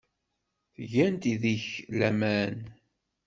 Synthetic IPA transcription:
θʝænt̪iðiçlæmæn

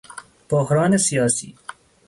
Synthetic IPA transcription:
b̥oɦɾɑːnesijɑːsḭː

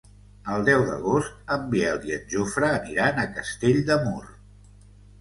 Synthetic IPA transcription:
əlˠd̪ɛwd̪ə̰ɣost̪̚əmbiɛlˠiənʲʒofɾəːniɾanəkəst̪eʎd̪əmur

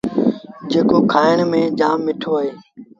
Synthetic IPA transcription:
d͡ʒeːkoːkʰaːɪɳmẽːd͡ʒaːmːɪʈʰoːaːɦeː

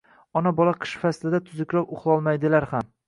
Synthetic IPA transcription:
ɒnabɒlˠaqʰɨ̥ʃfaslɪd̪at̪ʰʊzɪkʲɾɒpʊχlˠɒlˠmajd̪ɪlaɾham

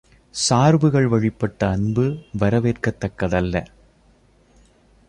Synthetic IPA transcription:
saːɾbɯɣɐɭʋɐɻɪpːɐʈːɐːnbɯʋɐɾɐʋeːrkɐt̪ːɐkːɐðɐlːɐ

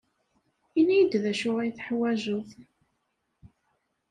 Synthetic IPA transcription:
inijəd̪ðæʃʊʁijθħwæʒʊθ

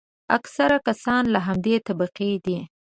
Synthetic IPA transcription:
aksaɾakasɑnlaɦamd̪et̪abaqid̪i

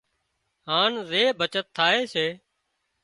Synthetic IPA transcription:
haːnzeːbʱət͡ʃət̪ʰːaːɦeːseː

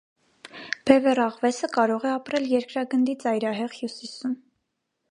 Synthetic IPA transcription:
b̥ɛvɛrɑʁvɛsəkɑɾɔʁɛɑpɾɛljɛɾkɾɑɡənd̪it͡sɑjɾɑɦɛʁhjusisum

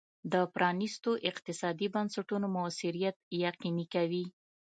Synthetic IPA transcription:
d̪əpɾʔɑnist̪oʔɪqt̪ɪsɑd̪ibansaʈunomʊsɪɾijat̪̚jaqinikawi

